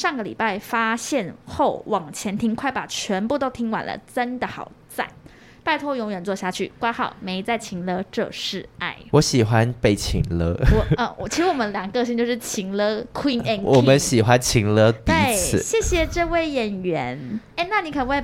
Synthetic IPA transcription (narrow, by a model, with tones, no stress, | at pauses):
ʂɑ˥˩ŋɡə˩lḭ˨˩pa˥˩ɪfa˥ɕjɛ˥˧nxo˥˩ʊwɑ˨˩ŋt͡ɕʰjɛ˧˥nt̪ʰi˥ŋkʰwa˥˩ɪpa˨˩t͡ɕʰɥɛ˧˥npu˥˧t̪o˥ʊt̪ʰi˥ŋwa̰˨˩nlə̰˦ʈ͡ʂə˦nd̪ə˨xɑ˨˩ʊt͡sa̰˥˩ɪ | pa˥˩ɪt̪ʰo˥jʊ˧˥ŋɥɛ˨˩nt͡swɔ˥˧ɕja˥˧t͡ɕʰy̰˥˩kwa˥xɑ˨˩ʊme˧˥ɪ˧t͡sa˥˩ɪt͡ɕʰi˧˥ŋlɤ˥ʈ͡ʂɤ̰˥˧ʂɻ̩˥˧a˥˩ɪwɔ˧˦ɕi˨˩xwa˦npe˥˩ɪt͡ɕʰḭ˧˥ŋlɤ˥wɔ˨˩ə˧˨˩t͡ɕʰi˧˥ʂɻ̩˧˥wɔ˨˩mə˦nljɑ˨˩ŋə˧kɤ˥˧ɕ̬i˥˧ŋt͡ɕjo˥˧ʊʂɻ̩˥˩t͡ɕʰi˧˥ŋlɤ˥kʰwi˥ŋɛ˧˩nwɔ˨˩mə˦nɕi˨˩xwa˦nt͡ɕʰi˧˥ŋlɤ˥t̪e˥˨˧ɪt͡s̩ʰ˥˨ɕjɛ˥˩ɕjɛ˨˩ʈ͡ʂɤ˥˧we˥˩ɪjɛ˨˩nɥɛ˧˦ne˥˩ɪna˥˩ni˧˥kʰə˧˩˨we˥˩